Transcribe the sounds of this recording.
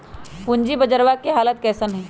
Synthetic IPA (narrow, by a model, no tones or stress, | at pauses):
pʊɲd͡ʒibəd͡ʒəɾʋakeɦaːlət̪̚kɛːsənɦɛ̃ː